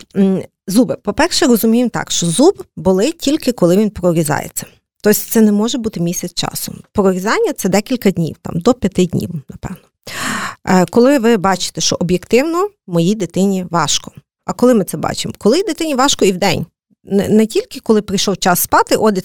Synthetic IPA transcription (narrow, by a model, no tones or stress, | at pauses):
zubɪpɔpɛrʃɛɾɔzʊmʲijemt̪ɑ̰kʃt͡ʃɔzubbʊlˠɪtʲilʲkɪkɔlˠɪʋʲinpɾɔɾʲizɑ̰jḛt͡sʲːɐ̥ | t̪ɔsʲt̪sɛnɛmɔʒɛbut̪ɪmʲisʲɐt͡s̪t͡ʃɑ̰sʊpɾɔɾʲizɑnʲːɐt̪sɛd̪ɛkʲilʲkɐdʲnʲḭwt̪ɑ̰md̪ɔpʲjɐt̪ɪdʲnʲḭwnɐpɛ̰ʋnɔ | kɔlˠɪʋɪbɑt͡ʃɪ̥t̪ɛʃt͡ʃɔʔɔbjekt̪ɪwnɔmɔjid̪et̪ɪnʲiʋɑʃkɔ̥ | ɐkɔlˠɪmɪt̪sɛbɑ̰t͡ʃɪ̰mkɔlˠɪd̪et̪ɪnʲiʋɑʃkɔiwd̪ɛ̰nʲ | nɛnɛtʲilʲkɪkɔlˠɪpɾʲijʃɔwt͡ʃɑsːpɑt̪ɪʔɔd̪